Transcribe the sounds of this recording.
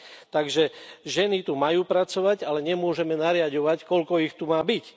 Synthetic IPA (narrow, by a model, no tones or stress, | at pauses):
t̪aɡʒɛʒɛnit̪umajuːpɾat͡sɔʋaɟalɛɲɛmʊɔʒɛmɛnaɾɪaɟɔʋackɔʎkɔixt̪umaːbic